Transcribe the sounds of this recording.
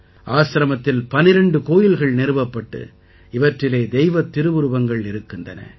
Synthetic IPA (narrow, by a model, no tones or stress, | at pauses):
ʔaːsɾɐmɐt̪ːɪlpɐnɪɾɐɳɖɯkoːjɪlɣɐɭnɛɾɯʋɐpːɐʈːɯ̰ | ɪʋɐʈrɪleːd̪ɛjɪʋɐt̪ːɪɾɯʋɯɾɯʋɐŋɡɐɭɪɾɯkːɯndɐ̰nɐ̰